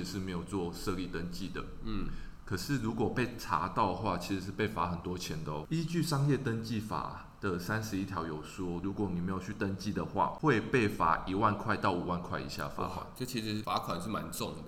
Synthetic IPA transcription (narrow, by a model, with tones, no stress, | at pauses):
ʂɻ̩˥˩me˧˥ɪjo˨˩ʊt͡swɔ˥˨ʂɤ˥˧li˥˩t̪ə˦nt͡ɕi˥˨˩d̪ə̰˩˥˩ | kʰə˨˩ʂɻ̩˥˩ɻu˧˥kwɔ˨˩pe˥˩ɪʈ͡ʂʰa̰˧˥˦t̪aɑ˥˩ʊd̪ə˩xwa˥˩t͡ɕʰi˧˥ʂɻ̩˧˥ʂ̬̩˥˧pe˥˩ɪfa˧˥xə˨˩nt̪wɔ˦˥t͡ɕʰjɛ˧˥nt̪ə˦i˥t͡ɕy˥˩ʂɑ˥ŋjɛ˥˨t̪ə˦nt͡ɕi˥˩fa̰˨˩ | d̪̥ə˨sa˦nʂɻ̩˧˦i˥t̪ʰjɑ˧˥ʊjo˨˩ʊswɔ˦lu˧˥kwɔ˨˩ni˨˩me˧˥ɪjt͡ɕʰy˥˩t̪ə˦nt͡ɕi˥˩d̪ə˩xwa̰˥˧xwe˥˧ɪpe˥˩ɪfa̰˨˩˦ʔi˨˥wa˥˧nkʰwa˥˧ɪt̪ɑ˥˩ʊu˨˩wa˥˩˧nkʰwa˥˩ɪḭ˨˦ɕja̰˥˨fa̰˧˦kʰwa̰˨˩˦nʈ͡ʂɤ˥˧t͡ɕʰi˧˥ʂɻ̩˧˥fa˧˥kʰwa˨˩nʂɻ̩˥˩ma˨˧˦nʈ͡ʂʊ˥˨ŋd̪ə˨˩